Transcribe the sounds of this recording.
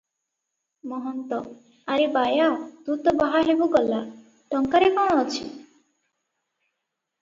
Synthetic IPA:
mɔɦɔnt̪ɔ | aɾebajad̪ut̪ɔbaɦaɦebuɡɔlːa | ʈɔŋkaɾekɔɽ̃ɔːt͡ʃʰi

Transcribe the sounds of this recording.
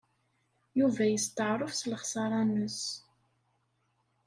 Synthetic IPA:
juvæjəst̪əʕɾˤəfsləχsɑɾˤɑnəs

